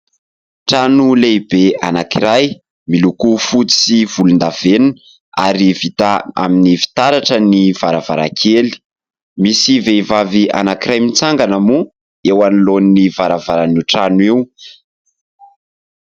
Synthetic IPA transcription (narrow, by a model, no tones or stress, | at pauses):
ʈ͡ʂanuleibeanakiɾaj | milukufut͡si̥siv̥ulund̪av̥enun | aɾiv̥it̪aa̰minivi̥t̪aɾaʈ͡ʂəniv̥aɾava̰ɾa̰kʰeli̥ | misiveivavia̰nakiɾajmit͡saŋɡanamu | ewanilonnivaɾavaɾanuʈ͡ʂanwiw